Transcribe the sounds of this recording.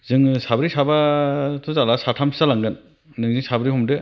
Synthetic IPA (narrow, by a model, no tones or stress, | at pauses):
zɯŋsabɾisabatʰuzalasatʰamʰi̥salaŋɡɯn | nɯŋzɯŋsabɾiɦɔmdɯ